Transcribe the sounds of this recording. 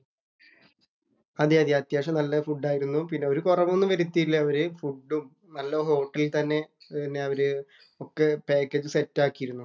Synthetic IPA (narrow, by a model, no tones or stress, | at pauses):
ɐðɨɐðjiɐt̪jaːʂɐmnɐlːɐfuɖːaːjiɾunːupinːe̞o̞ɾukurɐʋonːɨʋɐɾiut̪ːijilːɐɐʋɐɾɨfuɖːum | nɐlːɐɦo̞ːʈːɐlilt̪ɐnːe̞nːeɐʋɐɾɨ | okːe̞peːkːeːd͡ʑɨsetːaːkːijiɾunːu